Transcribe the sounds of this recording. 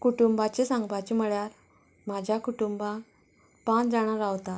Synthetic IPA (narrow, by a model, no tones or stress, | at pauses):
kuʈumbat͡ɕesãŋɡbat͡ɕiməɭjaɾ | m̤ad͡ʑʱjakuʈumbã | pãnd͡zaɽ̃aɾaʋt̪at̪